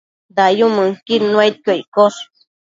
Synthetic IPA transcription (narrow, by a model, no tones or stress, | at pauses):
d̪ajũmɨ̃ŋkinũet̪̚kəikos